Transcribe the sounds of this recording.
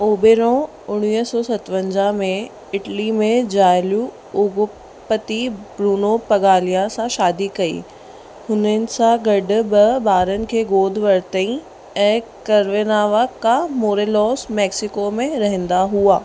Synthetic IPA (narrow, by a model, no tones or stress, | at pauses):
oːbeːɾõ | ʊɽ̃iːɦsɔːsɐt̪ʋə̃ɲd͡ʑamẽ | ɪʈlimẽd͡ʑaːɪlu | ʊɡ | pət̪ibɾuːnopɐɡaːlijasãʃaːd̪ikɐḭ | hʊnənɪ̆sãɡɐɖʊ̆bɪbaːɾənɪ̆kʰeːɡoːd̪ʱʋɐɾt̪əĩ | ɛ̃ːkɐɾʋenaːʋakamoːɾelɔːsmɛːksɪkomẽɾɐɦə̃nd̪aɦuaː